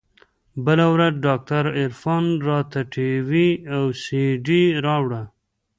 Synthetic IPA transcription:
bəlawɾad̪ɖɑk̚t̪aɾɪɾfɑnɾɑt̪aʈʰiwiawsiɖiɾɑwɽa

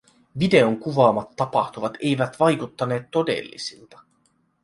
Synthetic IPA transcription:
ʋide̞o̞ŋkuʋɑːmɑt̪ːɑpɑxt̪uʋɑt̪e̞jʋæt̪ʋɑjkut̪ːɑne̞ːt̪ːo̞de̞̰lːḭsilt̪ɑ̥

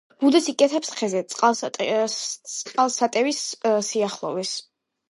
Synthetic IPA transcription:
b̥ud̪ɛsikʼɛt̪ʰɛpsχʰɛzɛt̪sʼqʼalˠʼ | qʼalˠsat̪ʼɛvissiaχlˠɔ̰vɛs

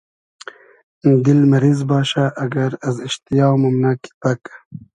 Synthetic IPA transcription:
d̪ilmɐɾizbɑːʃaʔːɡɐɾɐzɪʃt̪ijɑːwmɐmnaki̥pɐkḁ

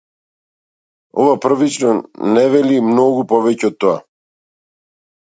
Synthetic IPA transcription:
ɔvapr̩vit͡ʃnɔnɛvɛlimnɔɡupɔvɛcɛɔt̪ːɔa̰

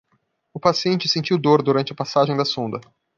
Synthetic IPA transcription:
ʊpasiẽnt͡ʃɪsẽnt͡ʃiwd̪oɾd̪uɾɐ̃t͡ʃɪɐpasaʒẽj̃d̪ɐsõnd̪ɐ

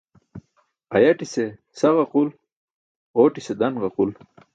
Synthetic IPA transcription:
ɐjɐʈise | sɐʁɐqul | oːʈised̪ɐnʁɐqul

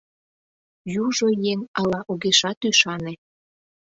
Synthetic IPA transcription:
juʒojeŋɑlɑʔuɣeʃɑt̪yʃɑne

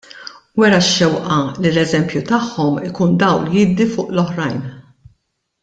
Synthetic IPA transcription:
wɛɾɐʃːɛwʔɐlilɛzɛmpjut̪ɐħːɔmɪkuːnd̪ɐwljɪd̪ifʊːʔlɔħɾɐjn

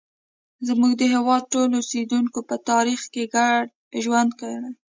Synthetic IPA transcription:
zmuɡd̪əɦewɑd̪̚ʈolused̪uŋkopət̪ɑɾixkeɡaɖ | ʒwand̪kəɽe

